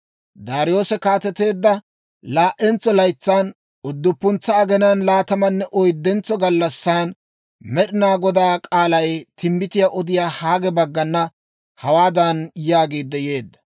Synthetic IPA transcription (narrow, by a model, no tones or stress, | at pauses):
d̪aːɾɪjo̞ːsɛkaːt̪ɛt̪e̞ːd̪ːɐ | laːʔɛnt͡sːɔlɐjt͡sːaːn | ʊd̪ːʊpːʊnt͡sːɐɐɡɛnanlaːt̪ɐmɐnːɛʔɔjd̪ːɛnt͡sːɔɡɐlːɐsːaːn | mɛɗɪnaːɡɔd̪aːkʼaːlɐjt̪ʰɪmːɪt̪ɪjaːʔɔd̪ɪjaːhaːɡɛbɐɡːɐnːɐ | hɐwaːd̪ɐnjaːɡeːd̪ːɛje̞ːd̪ːɐ̥